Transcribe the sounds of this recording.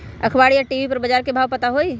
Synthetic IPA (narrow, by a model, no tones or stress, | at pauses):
ə̰kʰbaɽijaʈiʋipəɾbəd͡ʒaɾkebʱaʋpət̪aɦoi